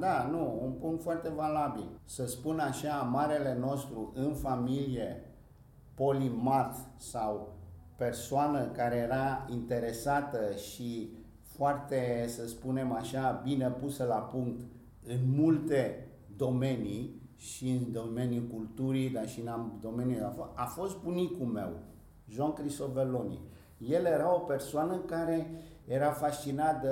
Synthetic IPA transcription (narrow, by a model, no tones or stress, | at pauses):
d̪anuunpuŋkt̪foart̪e̞valabilsəspunaʃamaɾe̞le̞no̞st̪ɾuʔɨnfamilije̞ | po̞limat̪saw | pe̞rsoanəkaɾe̞jeɾaint̪e̞ɾe̞sat̪əʃi | foart̪esəspune̞maʃabine̞pusəlapuŋk̚t̪ | ɨnmult̪e̞ | d̪o̞me̞ni | ʃiɨnd̪o̞me̞nʲjukult̪uɾid̪aʃinamd̪o̞menjuafafo̞st̪̚bunikume̞̰w | ʒankɾist̪ovelonḭ | je̞lje̞ɾao̞pe̞rsoanəɨkaɾe̞jeɾafast͡ʃinat̪ə